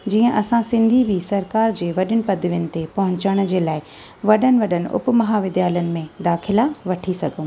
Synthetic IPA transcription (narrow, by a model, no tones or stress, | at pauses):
d͡ʑiːə̃ʔɐsãsɪ̃nd̪ʱibʱisɐɾkaːɾd͡ʑeːʋɐɗɪnɪ̆pɐd̪ʱʋjənɪ̆t̪epɐɦʊ̃ɲt͡ɕəɽ̃d͡ʑeːlaːɪ | ʋɐɗənɪ̆ʋɐɗənɪ̆ʔʊ̰pmɐɦaʋɪd̪jaːlənɪ̆mẽd̪aːxʰɪlaʋɐʈʰisɐɡʱõ